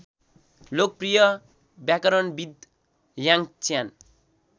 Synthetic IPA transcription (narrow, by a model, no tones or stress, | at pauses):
lok̚prijʌ | bjakʌɾʌnbid̪ | jaŋt͡sjan